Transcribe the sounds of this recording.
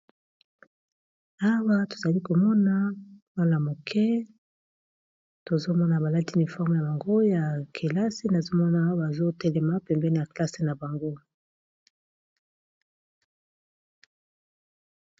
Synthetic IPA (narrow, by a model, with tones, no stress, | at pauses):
a˦wa˦to̥˨za˨li˦ko˨mɔ˦na˦wa˦la˨mo˨kʰɛ˦ | to˨zo˦mɔ˦na˨ba˨la˦ti˦ni˨fɔ˦ʁm˨ja˨ba˨ŋɡo˦ja˨kʰe˨la˦se˦na˨zo˦mɔ˦na˦wa˨zo˦tɛ˦lɛ˨ma˦pɛ˨mbɛ˦n˨a˨kla˦se˦na˨ba˨ŋɡo˦